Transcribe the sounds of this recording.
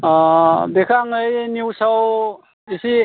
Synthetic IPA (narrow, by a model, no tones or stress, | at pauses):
bekʰaŋɯjniwsaw | isi